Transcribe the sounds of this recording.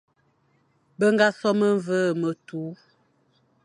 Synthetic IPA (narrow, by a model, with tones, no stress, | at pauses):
bə˦ŋɡa˦sɔ˦mə˦ɱvə˦˨mə˨tu˨˦